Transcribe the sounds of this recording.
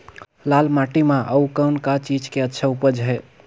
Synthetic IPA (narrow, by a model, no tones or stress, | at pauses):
lalmaʈimãʔəukəwnkat͡ʃid͡ʒkeətːʃʰaupəd͡ʒɦɛ